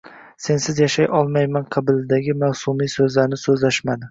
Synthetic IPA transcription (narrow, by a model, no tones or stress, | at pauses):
se̞nsɪzjaʃajʔɒlˠmajmanqʰɨbɪlɪd̪aɡʲɪmawsʊmijsɵzlaɾnɪsɵzlaʃmad̪ɪ